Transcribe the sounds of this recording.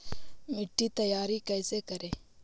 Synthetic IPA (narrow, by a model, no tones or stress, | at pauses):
mɪʈːit̪əjaːɾikɛːsekəɾẽː